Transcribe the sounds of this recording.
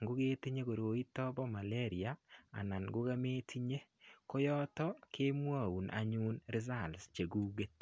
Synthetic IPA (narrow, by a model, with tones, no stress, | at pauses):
ŋɡu˦ke˦ti˦ɲe˦ko˨ɾo˨i˦tɔ˦bɔ˦ma˨le˦ɾi˨a˨a̰˨na˨nɡu˦ɣa˦meː˦tʰi˦ɲe˦ | ko˦jɔ˦tɔ˦kʰe˦mwa˦˨u˨nʔa̰˨ɲu˦nɾi˦z̬a˦˨lst͡ʃe˨ɡuː˦ɡe˦t